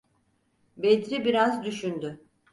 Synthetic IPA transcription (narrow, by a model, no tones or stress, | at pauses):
bed̪ɾibiɾazd̪yʃynd̪y